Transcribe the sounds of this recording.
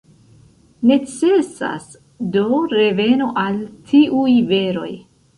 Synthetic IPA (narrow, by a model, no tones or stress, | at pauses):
ne̞t͡se̞sa̰s | do̞ɾe̞ve̞no̞ʔaltʰiʔujve̞ɾo̞̰j